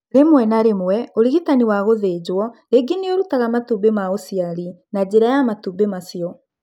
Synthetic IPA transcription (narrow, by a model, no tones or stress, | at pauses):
ɾemwɛnaɾemwɛoɾiɣitaniwaɣoðeːd͡ʑwɔ | eɡineoɾutaɣamatubemaosiaɾinad͡ʑeɾajamatubemasijɔ